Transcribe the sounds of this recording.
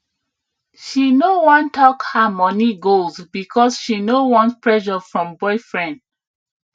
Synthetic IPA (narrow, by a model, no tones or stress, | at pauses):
ʃinowɔ̃ntɔkhamɔniɡolzbikʰɔsʃinowɔ̃nspʰɹɛʃɔfɹɔ̃mbɔɪfɹɛ̃nd